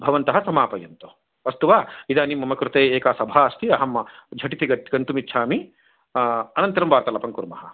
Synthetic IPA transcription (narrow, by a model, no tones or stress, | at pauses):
bʱɐʋɐnt̪ɐɦɐsɐmaːpɐjɐnt̪u | ɐst̪uʋaːid̪aːnimːɐmɐkɾut̪eːeːkaːsɐbʱaːɐst̪iɐɦɐmɐd͡ʒʱɐʈit̪iɡɐɡɐɳʈ̪umitːʃʰaːmi | ɐnɐnt̪ɐɾɐmʋaːɾt̪ɐlɐpɐŋkuɾmɐ̰ɦɐ̆